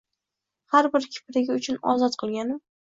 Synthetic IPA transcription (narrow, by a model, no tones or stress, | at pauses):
haɾbɪɾkʲʰɪ̥pʰɪɾɪɡʲɪʊt͡ʃʰʊnɒ̰zɒt̪qʰɨlˠɡʲanɪm